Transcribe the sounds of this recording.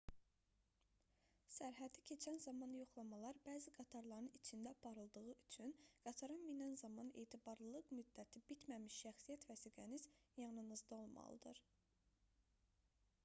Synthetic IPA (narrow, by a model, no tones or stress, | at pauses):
sæɾɦæd̪icʰe̞t͡ʃʰænzɑmɑnjo̞χlˠɑmɑlˠɑɾbæːziɡɑt̪ʰɑɾlˠɑɾɯnit͡ʃʰind̪æɑpʰɑɾɯlˠd̪ɯɣɯʔyt͡ʃʰynɡ̥ɑt̪ʰɑɾɯnminænzɑmɑne̞̰ːt̪ʰibɑɾlˠɯlˠɯqmyd̪ːæt̪ʰibit̪mæmiʃːæxsijæt̪væsiːɡæniz̥jɑnɯnɯzd̪ɑo̞lˠmɑ̰lˠɯ̰d̪ɯɾ